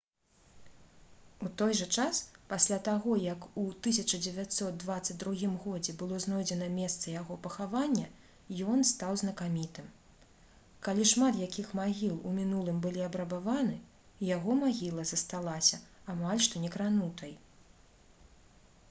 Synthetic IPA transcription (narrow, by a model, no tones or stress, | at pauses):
ut̪ɔjʐɐt͡ʂaspasʲlʲat̪aɣɔjɐkut̪ɨsʲɐt͡ʂɐd͡zʲevʲat̪ʲsɔt̪̚d̪vat̪sːɐd͡zʲd̪ɾuɣʲimɣɔd͡zʲɛbɨlˠɔznɔjd͡zʲɛnɐmʲɛst̪sɐjaɣɔpɐxavanʲːɐ | jɔnst̪awznɐkamʲit̪ɨm | kalʲiʂmat̪jakʲixmaɣʲilˠumʲinulˠɨmbɨlʲiɐbɾɐbavanɨ | jaɣɔmaɣʲilˠɐzɐst̪alˠasʲɐ | amalʲʂt̪ɔnʲɛkɾanut̪ʰɐj